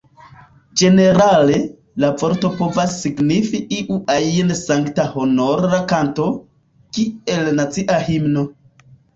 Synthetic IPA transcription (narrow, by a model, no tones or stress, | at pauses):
d͡ʒe̞ne̞ɾale̞ | lavo̞ɾto̞po̞vasːiɡnifiʔiʔuʔaiensaŋktaho̞no̞ɾakanto̞ | kie̞lnat͡siʔahimno̞